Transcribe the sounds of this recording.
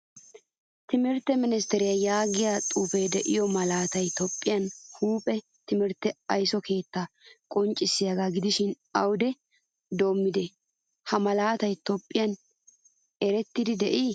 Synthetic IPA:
t̪ɪmɪɾt̪ːɛmɪnɪs̬t̪ɛɾɪjajaːɡɪjaːt̪ʼuːfejd̪ɛʔɪjɔmɐlaːt̪ɐjt̪ɔpʼːɪjɐnhuːpʼɛ | t̪ɪmɪɾt̪ːɛɐjsɔkʰe̞ːt̪ːa | kʼɔnt͡ʃʼːɪsːɪjaɡaɡɪd̪ɪʃɪn | ɐwʊd̪ɛ | d̪o̞ːmːɪd̪ɛ | hɐmɐlaːt̪ɐjt̪ɔpʼːɪjɐn | ɛɾɛt̪ːɪd̪ɪd̪ɛʔi

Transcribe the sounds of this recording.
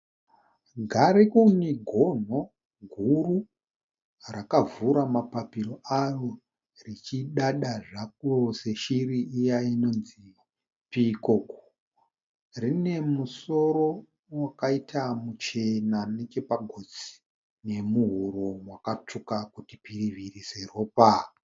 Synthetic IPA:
ɡʱaɾikuniɡʱo̞n̤o̞ | ɡʱuru | rakavuɾamapapiɾo̞aro̞ | rit͡ʃiɗaɗaʐak̚ose̞ʃiriijaino̞nzi | pikoku | rine̞muso̞ɾo̞ | wakaitʰamut͡ʃe̞nane̞t͡ʃe̞paɡʱot͡si̥ | ne̞muɦuɾomwakat͡ʂukakutipiriʋirise̞ro̞ːpa

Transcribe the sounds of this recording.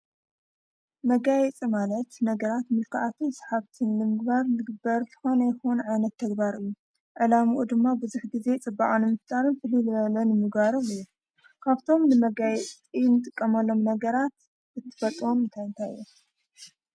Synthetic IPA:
mɐɡajɛt͡sʼimalɐt̪nɐɡɐɾat̪mɨlkʰɨʔat̪ʰɨnsħaβt̪ʰɨnlɨmɨɡbaɾnɨɡɨbɐɾzɨ̥xo̞nɐjxonuʕajnɐt̪ʰːɐɡbaɾɨjːu | ʕɨlamuʔud̪ɨmːabɨzuħɡize̞t͡sʼɨbːaʔʼonɨmɨft̪ʼaɾɨnfɨlɨlɨβɐlɐnɨmɨɡbaɾoβɨjːu | kʰaβt̪ʰo̞mnɨmɐɡajɛt͡sʼ | inɨt̪ʼɨkʼːɐmɐlːo̞mnɐɡɐɾat̪ | ɨt̪ʰːɨ̥fɐt̪ʼwomɨnt̪ʰajɨnt̪ʰajɨ̰jːu

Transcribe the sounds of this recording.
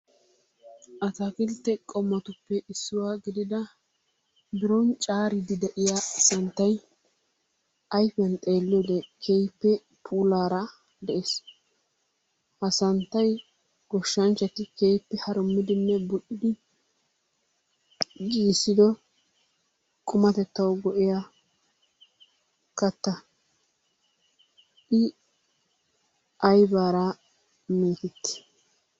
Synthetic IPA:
ʔɐt̪akɪlt̪ːɛkʼɔmːɐt̪ʊpːɛʔɪsːʊwaːɡɪd̪ɪd̪ɐ | d̪ɪɾɔnt͡ʃʼaːɾɪd̪ɪd̪ɛʔɪjasɐnt̪ːɐj | ʔɐjfɛnt̪ʼe̞ːlːɔd̪ɛkʰejpːɛ | pʰuːlaːɾɐ | d̪ɛʔeːs | ʔɐsɐnt̪ːɐj | ɡ̥ɔʃːɐnt͡ʃːɐt̪ɪkejpːɛhɐɾʊmːɪd̪ɪnːɛbʊɗɪd̪ɪ | ɡiːsːɪd̪ɔ | kʼʊmɐt̪ɛt̪ːɐwɡɔʔɪja | kɐt̪ːɐ | ɪ | ʔɐjbaːɾɐ | meːt̪ɪt̪ːɪ̥

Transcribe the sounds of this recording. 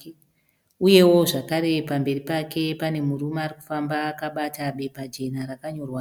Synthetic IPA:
uje̞wo̞ʐakaɾe̞pambe̞ripake̞pane̞murumaːriku̥fambaːkaɓataɓe̞pad͡ʒe̞naɾakaɲo̞rwa

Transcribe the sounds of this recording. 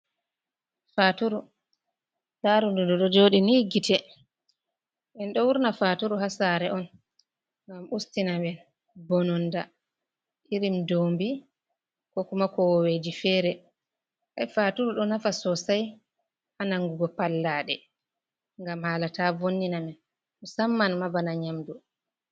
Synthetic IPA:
fatuɾu | laɾunduduɗɔd͡ʒoɗiniːɡitʰɛ | ɓɛnɗɔwuɾnafatuɾuɦasaɾɛʔɔn | ŋɡamʔustinamɛn | bɔnɔnda | ʔiɾimdombi | kɔkumakɔwɔwed͡ʒifɛːɾɛ | ʔajfatuɾuɗɔnafasɔsaj | ʔanaŋɡuɡɔpalːaːɗɛ | ŋɡamhalatavonːinamɛn | usamːanmabanaɲamdu

